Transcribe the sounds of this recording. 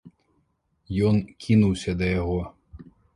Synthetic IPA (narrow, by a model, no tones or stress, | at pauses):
jɔnkʲʰinuwsʲɐd̪ɐjɐɦɔ